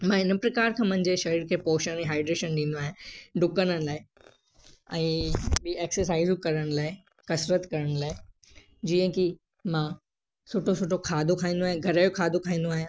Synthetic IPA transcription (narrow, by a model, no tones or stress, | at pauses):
mãɪnəpɾɐkaːɾkʰãːmʊ̃ɦɪ̃ɲd͡ʑeʃɐɾiːɾkʰepoːʃənɛ̃ːɦaːɪɖɾeːʃənɗĩnd̪oaːɦẽɖʊkəñənlaːe | ɛ̃ːbieksəɾs̬aːizukɐɾəɽ̃laːe | kɐsɾət̪kɐɾəɽ̃laːe | d͡ʑiːə̃ki | mã | sʊʈʰosʊʈʰokʰaːd̪ʱokʰaːɦĩːnd̪oaːɦiẽɡʱɐɾəjokʰaːd̪okʰãɦĩːn̆d̪oaːɦjã